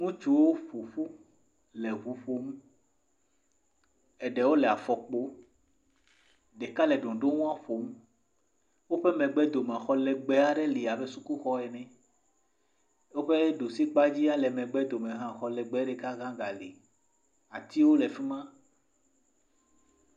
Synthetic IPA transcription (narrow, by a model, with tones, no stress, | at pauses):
ŋũ˦t͡ʃu˦wo˦fo˨fu˦ | lɛ˨ɦu˨ɸo˦m˦ | ɛ˨ɖɛ˨wo˦lɛ˨a˨fɔ˨k͡po˦ | ɖe˨ka˦lɛ˨ɖɔ̃˨ɖo˦ŋũ˦ã˦ɸo˨m˦ | wo˦ɸɛ˦mɛ̃˨ɡ͡bɛ˦d̪o˨mã˨xɔ˨lɛ˨ɡ͡be˨a˨ɖɛ˦li˨a˨be˦su˦ku˦xɔ˦ɛ˨nɛ̃˦ | wo˦ɸe˦ɖo˨si˦k͡pa˦d͡ʑi˦a˦lɛ˨mɛ̃˨ɡ͡bɛ˦d̪o˨mɛ̃˨ɦã˨xɔ˨lɛ˨ɡ͡bɛ˨˦ɖɛ˦ka˦ɣã˦ɡa˨le˨ | a˨t̪i˦wo˦lɛ˨fi˦mã˦